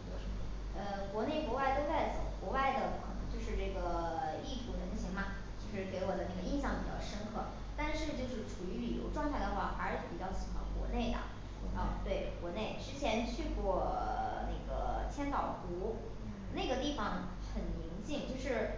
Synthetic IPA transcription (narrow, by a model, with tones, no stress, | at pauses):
ə˧kwɔ˧˥ne˥˩ɪkwɔ˧˥wa˥˧ɪt̪o˥ʊt͡sa˥˩ɪt͡so˨˩ʊkwɔ˧˥wa˥˩ɪd̪ə˩wkʰɤ˨˩nɤ˧˥ŋt͡ɕjo˥˧ʊʂɻ̩˥˧ʈ͡ʂɤ˥˩ɡə˩li˥˩t̪ʰu˧˥˩ə˧˩˥ɕʰi˧˥ŋmɐ˧ | t͡ɕjo˥˧ʊʂɻ̩˥˩ke˧˥ɪwɔ˨˩d̪ə˦na˥˩ɡə˩i˥˧nɕ̬jɑ˥˩ŋpi˨˩t͡ɕjɑ̰˥˧ʊʂə˥nkʰɤ˥˩ | t̪a˥˧nʂɻ̩˥˧t͡ɕjo˥˧ʊʂɻ̩˥˩ʈ͡ʂʰu˨˩y˧˥li˨˩jo̰˧˥ʊʈ͡ʂwɑ˥˧ŋt̪ʰa˥˩ɪd̪ə˩xwa˥˩fa˧˥˧pi˨˩t͡ɕjɑ˥˩ʊɕi˨˩xwa̰˧˥nkwɔ̰˧˥ne˥˩ɪd̪ə̰˩ | ə̰˧˩t̪we˥˩ɪkwɔ˧˥ne˥˩ɪʈ͡ʂɻ̩˥t͡ɕʰjɛ˧˥nt͡ɕʰy˥˧kwɔ˥˩na˥˩ɡə̰˩t͡ɕʰjɛ˥nt̪ɑ˨˩ʊt̪u˧˥ | na˥˩ɡə˩t̪i˥˩fɑ˨˩ŋ | xə˨˩nli˧˥ŋt͡ɕi˥˧ŋt͡ɕjo˥˧ʊʂɻ̩˥˩